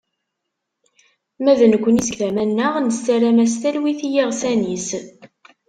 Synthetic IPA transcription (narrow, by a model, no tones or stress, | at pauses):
mæðənəkʷːəniskθæmænːəʁnəst̪æɾæmæs̬t̪ælwiθijiʁsænis